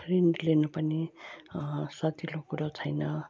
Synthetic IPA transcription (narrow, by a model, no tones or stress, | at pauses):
pʰreɳɖlenʌpʌni | sʌt̪ilokuɾat͡sʰʌjnʌ